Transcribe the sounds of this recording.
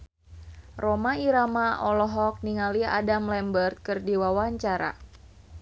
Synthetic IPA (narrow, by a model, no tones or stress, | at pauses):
rɔmaiɾamaʔɔlɔɦɔk̚niŋalia̰damlɛmbərt̪̚kɨrdiwawaɲt͡ʃaɾa̰